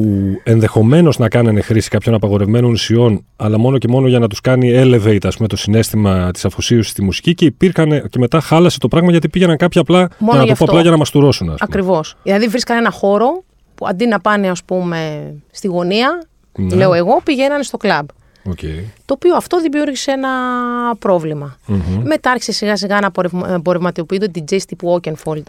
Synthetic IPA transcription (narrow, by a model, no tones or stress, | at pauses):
ue̞nðe̞xo̞me̞no̞znɐkɐnɐne̞xɾisi̥kɐpço̞nɐpɐɣo̞ɾe̞vme̞no̞nsio̞n | ɐlɐmo̞no̞ce̞mo̞noʝɐnɐt̪uskɐniele̞veit̪ɐspume̞t̪o̞sine̞st̪imɐt̪i̥sɐfosiosi̥st̪imusi̥cice̞ipiɾxɐnece̞me̞t̪ɐxɐlɐset̪o̞pɾɐɣmɐʝɐt̪ipiʝenɐŋkɐpçiɐplɐmoʝɐnɐtufpoɐlɐʝɐnɐmɐst̪uɾo̞sunɐ̰spɐumkːɾivo̞sðilɐðivɾiskɐnenɐxo̞ɾo̞ | puɐ̰nd̪inɐpɐne̞ɐspume̞st̪iɣo̞niɐ | le̞oe̞ɣo̞piʝe̞nɐnest̪o̞klɐb | ocḛit̪o̞ːpioɐft̪o̞ðimiuɾʝiseenɐpɾo̞vlimɐçme̞t̪ɐɾçi̥se̞siɣɐsiɣɐnɐpoɾevbo̞ɾevmɐt̪iopiund̪ot̪id͡zest̪ipuo̞cenfold̪̥